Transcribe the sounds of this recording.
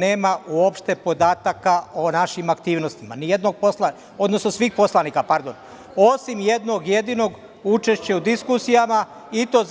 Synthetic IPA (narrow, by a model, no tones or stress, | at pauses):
ne̞ːmauopʃt̪e̞po̞d̪aːt̪akaonaʃimakt̪iːʋno̞st̪ima̰nije̞d̪no̞ɡ̚posla | o̞d̪no̞sno̞sʋiːxpo̞slˠaniːkapaɾd̪o̞n | o̞simjed̪no̞ɡje̞d̪iːno̞ɡ | ut͡ʃe̞ʃt͡ɕeud̪iskusijama | it̪o̞ːz